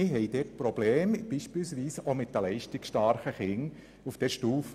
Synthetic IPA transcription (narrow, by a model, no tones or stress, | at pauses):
ɪɦɛɪd̥ɛt̚pɾɔb̥leːmb̥iːʃpɪlsʋiːsomɪtdəlɛɪʃtɪksʃtɑɾχəχɪŋ | ufd̪̥ɛʃtuːf